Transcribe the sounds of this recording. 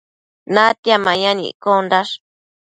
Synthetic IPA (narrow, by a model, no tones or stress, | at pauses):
nãt̪jamãɲãnḭ̃kond̪aʂ